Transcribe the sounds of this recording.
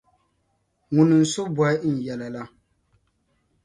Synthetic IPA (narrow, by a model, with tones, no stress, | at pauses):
ŋʊ˨nɨ˨n̩˨sʊ˦bɔ˦ɪ˦n̩˨jɛ˨la˨la˦